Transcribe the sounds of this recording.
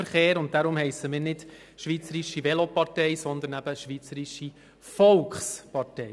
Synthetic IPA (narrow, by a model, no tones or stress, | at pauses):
əɾχeːɾʊnt̚d̥aɾʊmhɛɪsəmɪːɾnɪd | ʃʋiːt͡səɾiʃiʋɛlopɑrtɛɪsɔnd̪ənæb̥əʃʋiːt͡səɾiʃi | fɔlkχspɑrtɛɪ